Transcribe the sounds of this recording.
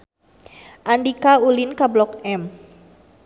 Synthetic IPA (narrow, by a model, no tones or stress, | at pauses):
ʔandikaulɪnkablɔkɛm